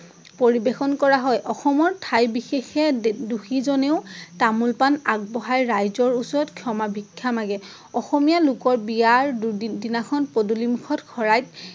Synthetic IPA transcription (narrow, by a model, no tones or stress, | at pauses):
poɹibexɔnkɔɹaɦɔjʔɔxɔmɔɹtʰajbixexɛduxizɔneʊtamulpanaɡ̚bɔɦajɹajzɔɹusɔɹɔtkʰjɔmabʱikʰːamaɡɛ | ɔxɔmijalʊkɔɹbijaɹdinakʰɔnpodulimukʰɔtkʰɔɹajt̚